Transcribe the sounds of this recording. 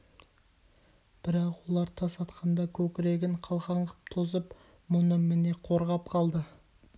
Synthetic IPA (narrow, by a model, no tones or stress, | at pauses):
b̥ɪɾɑqwo̞lˠɑɾt̪ʰɑsɑt̪qɑnd̪ɑkʲʰɵkʲɪɾe̞ɡʲɪɴqʰɑlˠʁɑɴʁə̥p̚t̪ʰozəp | mʊnəmɪne̞qʰo̞ɾʁɑpqʰɑlˠd̪ə